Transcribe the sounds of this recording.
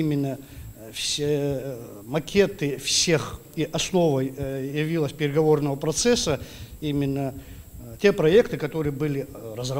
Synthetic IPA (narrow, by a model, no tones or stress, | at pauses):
imʲɪnːə | fsʲ | mɐkʲe̞t̪ɨfsʲe̞x | iʔɐsno̞vəjjɪvʲilˠəsʲpʲɪɾʲɪɡɐvo̞rnəvəpɾɐt̪sɛsːəimʲɪnːətʲe̞pɾɐɛkt̪ɨkɐt̪o̞ɾɨjəbɨlʲɪrəzrɐ